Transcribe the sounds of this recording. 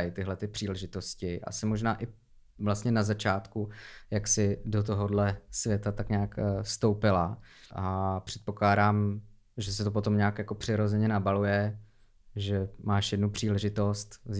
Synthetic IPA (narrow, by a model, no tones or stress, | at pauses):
jɪt̪ɪɦlɛt̪ɪpr̥iːlɛʒɪt̪o̞scɪʔa̰sɪmo̞ʒnaːʔɪ | vlast̪ɲɛnazat͡ʃaːt̪kujaksɪdo̞t̪̬o̞ɦodlɛsvjɛt̪at̪akɲaːkst̪o̞wpɪlaʔapr̥ɛt̪po̞klaːdaːm | ʒɛsɛt̪op̬o̞t̪o̞mɲaːkjako̞pr̥ɪɾo̞zɛɲɛnabalujɛ | ʒɛmaːʃjɛdnupr̥iːlɛʒɪt̪o̞st̪